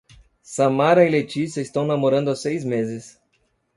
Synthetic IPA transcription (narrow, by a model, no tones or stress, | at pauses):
sɐmaɾɐilet͡ʃisjɐɪst̪ɐ̃w̃namoɾɐ̃nd̪ʊasejzmezɪs